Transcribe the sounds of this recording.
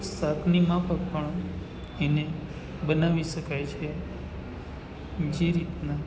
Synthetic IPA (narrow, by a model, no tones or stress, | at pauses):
saknimãpʰək̚pəɳ | ene | bənaʋiʃəkajt͡ʃʰe | d͡ʒeɾit̪na